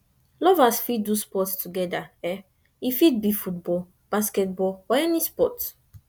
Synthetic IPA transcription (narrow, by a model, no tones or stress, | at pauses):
lɔvasfidduspɔtstuɡɛdaɛ | ifit̚bifutbɔl | b̥askɛt̚bɔɔɛnispɔt